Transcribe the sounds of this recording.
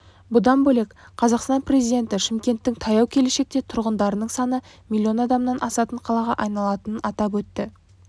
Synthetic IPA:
bʊd̪ɑnbɵlek | qʰɑzɑqst̪ɑnpre̞zijd̪ʲe̞nt̪ɪʃɪmkʲe̞nt̪ːɪŋt̪ʰɑjɑwkʲʰe̞le̞ʃe̞k̚t̪e̞t̪ʰʊɾʁənd̪ɑɾənəɴsɑnə | mʲilʲːio̞nɑd̪ɑmnɑnʔɑsɑt̪əɴqʰɑlˠɑʁɑʔɑjnɑlˠɑt̪ənənɑt̪ɑpwɵt̪ːɪ

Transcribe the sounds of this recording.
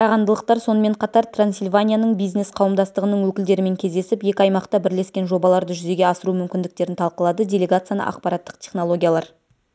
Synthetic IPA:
qʰɑɾɑʁɑnd̪əlˠəq̚t̪ɑɾso̞nəme̞ɴqʰɑt̪ɑɾt̪ransilʲvanʲijanəɴbijzne̞sqʰɑwəmd̪ɑst̪əʁənəɴwɵkʲɪld̪e̞ɾɪme̞ŋkʲʰe̞zd̪e̞sɪpje̞kʲɪɑjmɑqt̪ɑbɪɾle̞skʲe̞nʒo̞bɑlˠɑɾd̪əʒʏze̞ɡʲe̞ɑsəɾumʏmkʲɪnd̪ɪk̚t̪e̞ɾɪnt̪ʰɑlˠqəlˠɑd̪ədʲe̞lʲe̞ɡat̪sɨjanə̰ʔɑ̰q̚pɑɾɑt̪ːə̥qt̪ʲʰe̞χno̞lˠo̞ɡʲijalˠɑɾ

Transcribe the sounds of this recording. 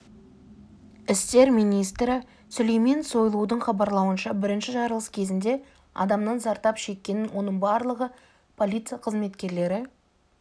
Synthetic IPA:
ɪst̪e̞ɾmijnijst̪ɾɪ | sʊlejmenso̞jlˠud̪əɴχɑbɑɾlˠɑwənʃɑbɪɾɪnʃɪʒɑɾəlˠəskʲʰe̞zɪnd̪e̞ | ɑ̰d̪ɑmnɑnzɑɾt̪ɑpʃe̞kʲːe̞nɪnwo̞nəɴbɑɾlˠəʁə | pʰo̞lʲijt̪sɨijɑqʰəzme̞t̪kʲe̞ɾle̞ɾɪ

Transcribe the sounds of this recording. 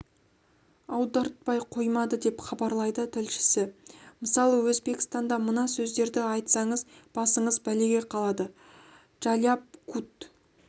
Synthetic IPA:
ɑwd̪ɑɾt̪̚pɑjqʰo̞jmɑd̪əd̪e̞pχɑbɑɾlˠɑjd̪ət̪ʰɪlʃɪ̥sɪməsɑlˠəwɵzbe̞kʲɪ̥st̪ɑnd̪ɑmənɑsɵzd̪e̞ɾd̪ɪɑjt̪sɑɴəzb̥ɑsəɴəzbæleɡʲe̞qʰɑlˠɑd̪ə | ʒ̥aljap̚kʰut̪

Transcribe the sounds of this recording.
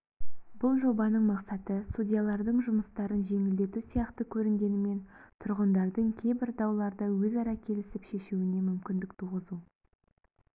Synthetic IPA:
bʊlˠʒo̞bɑnəɴmɑqsɑt̪əsudʲijalˠɑɾd̪əɴʒʊməst̪ɑɾənʒe̞ŋɪld̪e̞t̪usijɑqt̪əkʲʰɵɾɪŋɡʲe̞nɪme̞nt̪ʰʊɾʁənd̪ɑɾd̪əɴkʲʰe̞jbɪɾd̪ɑwlˠɑɾd̪əwɵzɑɾɑkʲʰe̞lɪsɪpʃe̞ʃuɪne̞mʏmkʲɪnd̪ɪkt̪ʰuʁəzu

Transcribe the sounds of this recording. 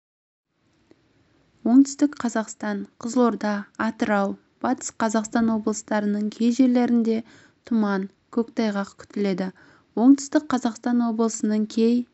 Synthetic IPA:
wo̞ɴt̪ʏ̥st̪ɪkqʰɑzɑqst̪ɑɴqʰəzlˠo̞ɾd̪ɑɑt̪əɾɑw | b̥ɑt̪ə̥sqʰɑzɑqst̪ɑnwo̞blˠəst̪ɑɾənəɴkʲʰe̞jʒe̞ɾle̞ɾɪnd̪e̞ | t̪ʰʊmɑŋ | kʲʰɵkt̪ʰɑjʁɑkʲʰʏ̥t̪ɪle̞d̪ɪ | wo̞ɴt̪ʏ̥st̪ɪk̚qʰɑzɑqst̪ɑnwo̞bəlˠəsənəɴkʲʰej

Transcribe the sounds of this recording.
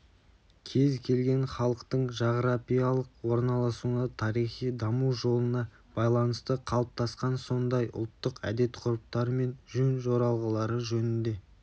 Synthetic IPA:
kʲʰe̞zkʲʰe̞lɡʲe̞nχɑlˠəqt̪əɴʒɑʁəɾapijalˠəqwo̞ɾnɑlˠɑsunət̪ʰɑɾijχijd̪ɑmuʒo̞lˠənɑ | b̥ɑjlˠɑnəst̪əqʰɑlˠəp̚t̪ɑsqɑnso̞nd̪ɑjʔʊ̰lˠt̪ːəqæ̰d̪e̞t̪qʰʊɾəp̚t̪ɑɾəme̞nʒɵnʒo̞ɾɑlˠʁəlˠɑɾəʒɵnɪnd̪e̞

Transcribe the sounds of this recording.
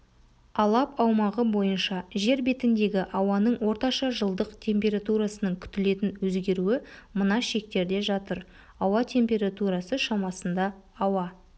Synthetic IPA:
ɑlˠɑpɑwmɑʁəbo̞jənʃɑʒe̞ɾbe̞t̪ɪnd̪e̞ɡʲɪʔɑwɑnəɴwo̞ɾt̪ɑʃɑʒəlˠd̪əqt̪ʲʰe̞mpʲe̞ɾat̪uɾasənəɴkʲʰʏ̥t̪ɪle̞t̪ɪnwɵzɡʲe̞ɾuɪmənɑʃe̞k̚t̪e̞ɾd̪e̞ʒɑt̪əɾ | ɑwɑt̪ʰe̞mpʲe̞ɾat̪uɾɑsəʃɑmɑsənd̪ɑːwɑ

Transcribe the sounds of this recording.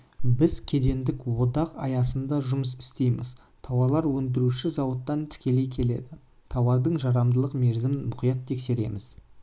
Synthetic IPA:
bɪzkʲʰe̞d̪e̞nd̪ɪkwo̞d̪ɑqɑjɑsənd̪ɑʒʊməsɪ̥st̪e̞jmɪ̰z | t̪ʰɑwɑlˠɑɾwɵnd̪ɪɾuʃɪzɑwət̪ːɑnt̪ʰɪ̥kʲe̞le̞jkʲʰe̞le̞̰d̪ɪ | t̪ʰɑwɑɾd̪əɴʒɑɾɑmd̪əlˠəqme̞ɾzɪmnmʊqijɑt̪ʰːe̞kse̞ɾe̞mɪz̥

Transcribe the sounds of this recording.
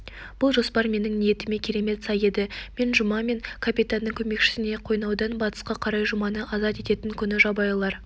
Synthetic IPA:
b̥ʊlˠʒo̞spɑɾme̞nɪŋnije̞t̪ɪme̞kʲʰe̞ɾe̞me̞t̪sɑje̞d̪ɪme̞nʒʊmɑme̞ŋkʰapit̪anːəŋkʲʰɵme̞kʃɪ̥sɪne̞qʰo̞jnɑwd̪ɑnbɑt̪ə̥sqɑqʰɑɾɑjʒʊmɑnəʔɑzɑt̪e̞t̪e̞t̪ɪŋkʲʰʏnɪʒɑbɑjlˠɑɾ

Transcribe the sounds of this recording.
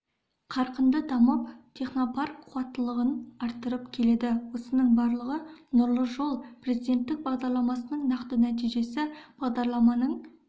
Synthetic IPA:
qʰɑɾqənd̪əd̪ʰɑməp̚t̪ʰe̞χnopɑɾqʰuɑt̪ːəlˠəʁənɑɾt̪ːəɾəpkʲʰe̞le̞d̪ɪwo̞sənəɴbɑɾlˠəʁənʊɾlˠəʒo̞lˠpre̞zid̪e̞nt̪ːɪk̚bɑʁd̪ɑɾlˠɑmɑsənəɴnɑqt̪ənæt̪̬ijʒe̞sɪb̥ɑʁd̪ɑɾlˠɑmɑnəɴ

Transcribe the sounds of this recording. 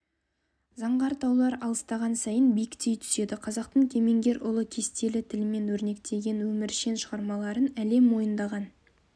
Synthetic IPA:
zɑɴʁɑɾt̪ɑwlˠɑɾɑlˠəst̪ɑʁɑnsɑjənbijkt̪e̞jt̪ʰʏ̥se̞d̪ɪqʰɑzɑq̚t̪əɴkʲʰe̞me̞ŋɡʲe̞ɾʊlˠəkʲʰe̞st̪e̞lɪt̪ʰɪlɪme̞nwɵɾne̞k̚t̪ʰe̞ɡʲe̞nwɵmɪɾʃe̞nʃəʁɑɾmɑlˠɑɾənæle̞mwo̞jənd̪ɑʁɑn

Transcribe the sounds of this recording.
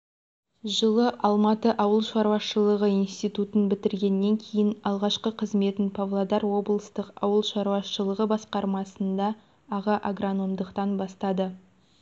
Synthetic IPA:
ʒəlˠəʔɑlˠmɑt̪əʔɑwəlˠʃɑɾwɑʃəlˠəʁəinst̪ijt̪ut̪ənbɪt̪ɪɾɡʲe̞nːe̞ŋkʲʰe̞jɪnɑlˠʁɑʃqəqʰəzme̞t̪ɪnpʰavlˠad̪ɑɾwo̞blˠəst̪əqɑ̰wəlˠʃɑɾwɑʃəlˠəʁəbɑsqɑɾmɑsənd̪ɑ | ɑʁɑʔaɡrano̞md̪əqt̪ɑnbɑst̪ɑd̪ə

